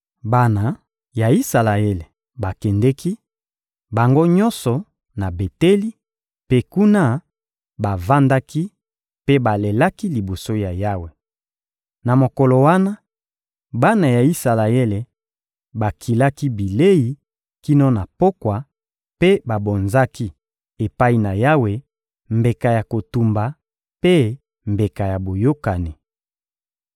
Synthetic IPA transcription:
ba˨na˨ | ja˨i˦sa˨la˨e˦le˨ | ba˨kɛ˨ndɛ˦ki˦ | ba˨ŋɡo˦ɲɔ˦nsɔ˨ | na˨be˨te˦li˦ | pe˦ku˦na˦ | ba˨va˦nda˦ki˦ | pe˦ba˨le˨la˦ki˦li˨bo˨so˦ja˨ja˦we˨ | na˨mo˨ko˨lo˨wa˦na˦ | ba˦na˨ja˨i˦sa˨la˨e˦le˨ | ba˨kʰi˨la˦ki˦bi˨le˦ji˨ | ki˦no˦na˨po˦kwa˨ | pe˦ba˨bo˨nza˦ki˦ | e˨pa˦i˦˨na˨ja˦we˨ | mbe˨ka˨ja˨ko˨tu˨mba˨ | pe˦ | mbe˨ka˨ja˨bo˨jo˦ka˨ni˨

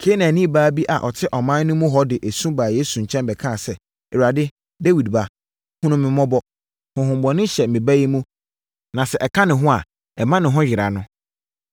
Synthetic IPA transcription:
kʰeː˨˦nã˨nĩ˦baː˦bi˦ʔa̰˨ʔɔ˨tʰɪ˦ʔɔ˨mãː˦nʊ̃˦mũ˦ɦɔ˦dɪ˨ʔe˨sũ˦baː˨je˦sũ˨ɲ̩˨t͡ɕʰɛ̃˦nbɛ˨kʰã˦˨sɛ˨ | ɛ˨wa˨dɪ˦ | de˦wi˨dba˨ | hʊ̃˦nʊ̃˦mɪ̃˨mɔ̃˦bɔ˦ | hʊ̃˨ɦʊ̃˨mbɔ˨nʊ̃˦ɕɛ˨mɪ̃˨ba˦ji˦mũ˦ | nã˨sɛ˨ʔɛ˨kʰã˦nɪ̃˨ɦʊ̃˦a̰˨ | ɛ˨mã˦nɪ̃˨ɦʊ̃˦ɥɪ˨ɾa˨nʊ̃˦

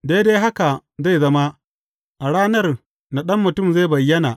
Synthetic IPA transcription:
de˦de˦ɦa˦ka˨za˦˨jzɐ˦ma˦ | ʔa˨ɽaː˦nɐ˦r | na˨ɗɐ˦mːʊ˨tʊ˦˨mza˦˨bɐ˨jːɐ˦na˨

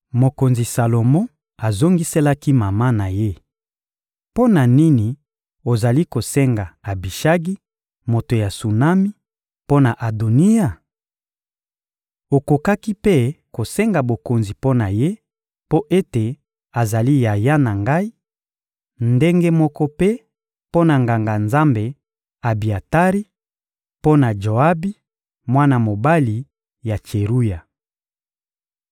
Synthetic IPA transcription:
mo˨ko˨nzi˨sa˨lo˨mɔ̃˦ | a˨zo˦ŋɡi˦se˦la˦ki˦ma˨ma˦na˨je˦ | po˦na˨ni˦ni˨ | o˨za˨li˦ko˨sɛ˦ŋɡa˨a˨bi˨ʃa˦ɡi˦ | mo˨to˨ja˨su˨na˦mi˦ | po˦na˨ʔa˨do˨ni˦ja˨ | o˨ko˨ka˦ki˦pe˦ko˨sɛ˦ŋɡa˨bo˨ko˨nzi˨po˦na˨je˦ | po˦ʔe˦te˨ | a˨za˨li˦ja˨ja˦na˨ŋɡa˦i˦ | nde˦ŋɡe˦mɔ˦kɔ˦pe˦ | po˦na˨ŋɡa˨ŋɡa˨nza˦mbe˨ | a˨bi˨a˨ta˦ʁi˦ | po˦na˨d͡ʒo˨a˦bi˦ | mwa˦na˦mo˨ba˦li˨ | ja˨t͡ʃe˨ʁu˦ja˨

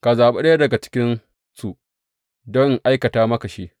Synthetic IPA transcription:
ka˨zaː˨ɓe˦ɗɐ˦dɐ˨ɡa˨t͡ʃɪ̥˦kʲɪ˦n | su˦ | dɔ˦ŋʔa˦jkɐ˨taː˦mɐ˦kɐ˨ʃiː˦

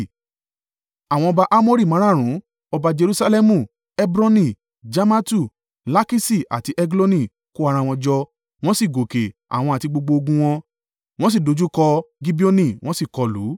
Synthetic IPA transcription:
a˨w̃ɔ̃˧ɔ˧ba˧ʔa˦mo˦ɾi˦˨mã˨˦ã˦˨ɾ̃ũ˨˦ | ɔ˧ba˧d͡ʒe˧ɾu˦sa˧lɛ˦mũ˧˨ | ɛ˦bɾɔ̃˦nĩ˦˨ | d͡ʒa˦ma˦tu˦˨ | la˦ki˦si˦˨a̰˨ti˧ʔɛ˧ɡlo˦nĩ˦˨ | ko˦a˧ɾ̃ã˧˨w̃ɔ̃˧d͡ʒɔ˧ | w̃ɔ̃˦si˦˨ɡo˨ke˨a̰˨w̃ɔ̃˧a˨ti˧ɡ͡bo˧ɡ͡bo˧o˧ɡũ˧w̃ɔ̃˧ | w̃ɔ̃˦s̬i˦˨do˨˧d͡ʒu˦kɔ˧ɡi˦bi˦o˧nĩ˧˨w̃ɔ̃˦si˦˨kɔ˨˧lṵ˨˦

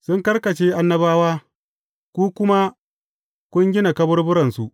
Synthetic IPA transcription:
sʊ˦ŋkɐ˦rkɐ˨t͡ʃeː˦ʔa˦nːɐ˦baː˦waː˦ | kʷuː˦kʷʊ˦ma˦ | kʷʊ˦ŋɡʲɪ˦na˨kɐ˦bʊ˦rbʊ˦ɾɐ˨nsu˨ʔ

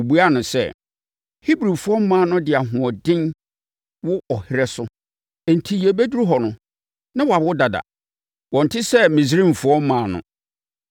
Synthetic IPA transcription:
bu˦a˦nʊ̃˨sɛ̰˦ | hi˦bɾĩ˨fʊ˦ɔ˦m˦mãː˦nʊ̃˦dɪ˨a˨ɦʊ̃˨ɔ˨dɪ̃˦n | wʊ˦ɔ˨hɪ˦ɾɛ˦sʊ˦ | ɛ˨n̩˨tʰi˨jɛ˨be˦du˦ɾu˦ɦɔ˨nʊ̃˨ | nã˦wa˨bʊ˦da˨da̰˨ | wɔ̃˨n˨tʰɪ˦sɛ˦mĩ˨s̬ɾĩ˦˨m˨fʊ˦ɔ˦m̩˦mãː˨nʊ̰̃˨

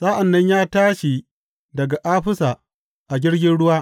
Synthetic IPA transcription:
sa˦ʔa˨nːɐ˦ɲjaː˦taː˦ʃi˨ | dɐ˨ɡa˨ʔaː˦ɸɪ˦sa˨ | ʔa˨ɡʲɪ˦ɽɡʲɪ˦nɽʊ˦waː˦

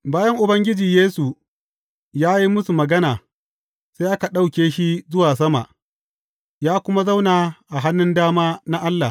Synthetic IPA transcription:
baː˦jɐ˦ŋʔʊ˨bɐ˦ŋɡʲɪ˦d͡ʒiː˨jeː˦su˨ | jaː˦ji˦mʊ˦su˨mɐ˨ɡɐ˦naː˨ | sa˦ʔa˦ka˨ɗa˦wkʲeː˦ʃi˦zʊ˦waː˨s̬ɐ˦ma̰˨ʔ | jaː˦kʷʊ˦ma˦za˦wnaː˨ʔa˨ɦa˦nːɪ˦ndaː˦maː˦na˦ʔa˦lːa˨

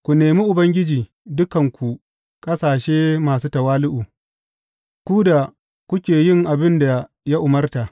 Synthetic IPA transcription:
kʷu˨neː˨miː˦ʔʊ˨bɐ˦ŋɡʲɪ˦d͡ʒiː˨ | dʊ˦kɐ˨ŋkʷu˨ | kʼɐ˦saː˨ʃeː˦maː˨suː˦tɐ˨waː˦lʊ˦ʔuː˨ | kʷuː˦da˨ | kʷʊ˦kʲeː˨jɪ˦˨ŋʔa˨bɪ˦nda˨ | ja˦ʔʊ˨mɐ˦rta˨ʔ

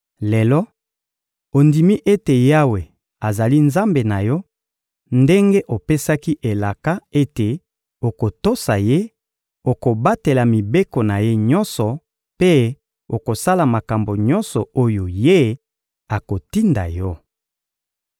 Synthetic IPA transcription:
le˨lɔ˦ | o˨ndi˨mi˦ʔe˦te˨ja˦we˨ | a˨za˨li˦nza˦mbe˨na˨jɔ˦ | nde˦ŋɡe˦ʔo˨pe˦sa˦ki˦ʔe˨la˨ka˦e˦te˨ | o˨ko˨to˦sa˨je˦ | o˨ko˨ba˦te˨la˨mi˨be˦ko˨na˨je˦ɲɔ˦nsɔ˨ | pe˦ | o˨ko˨sa˦la˨ma˨ka˨mbo˨ɲɔ˦nsɔ˨o˦jo˨je˦ | a˨ko˨ti˦nda̰˨jɔ˦

